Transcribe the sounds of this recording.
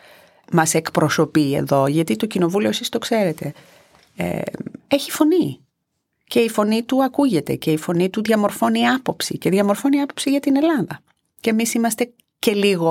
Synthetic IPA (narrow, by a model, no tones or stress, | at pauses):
mɐse̞kpɾo̞so̞pie̞̰ðo̞ʝɐt̪it̪o̞cino̞vulioesist̪o̞kse̞ɾe̞t̪e̞̰ | e̞çifo̞ni | ce̞ifo̞nit̪uɐkuʝe̞t̪e̞ce̞ifo̞nit̪uðʝɐmo̞ɾfo̞niɐpo̞psice̞ðʝɐmo̞ɾfo̞niɐpo̞psiʝɐt̪ine̞lɐðɐ | ce̞ːmisimɐst̪e̞ | ce̞liɣo̞